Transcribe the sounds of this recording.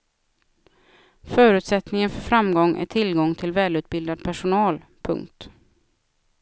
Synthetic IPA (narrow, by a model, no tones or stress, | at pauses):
fœːɾʉ̟t̪sɛt̪nɪŋənfœɾfɾamɡɔŋːʔæ̰ʈʰɪlɡɔŋt̪ʰɪlvɛːlʉ̟ːt̪̚bɪld̪ad̪̚pʰæʂʊnɑːl | pʰɵ̰ŋk̚t̪